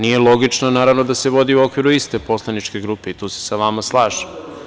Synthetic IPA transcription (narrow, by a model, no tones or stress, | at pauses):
nije̞lˠo̞ɡit͡ʃnanaːɾaʋno̞d̪aseʋo̞d̪iuo̞kʋiɾuist̪e̞po̞slˠanit͡ʃke̞ɡɾuːpeit̪uːse̥saʋamaslˠaːʒḁ